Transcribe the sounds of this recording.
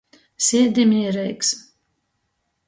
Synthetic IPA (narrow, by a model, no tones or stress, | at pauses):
sʲid̪imiɛɾɛjks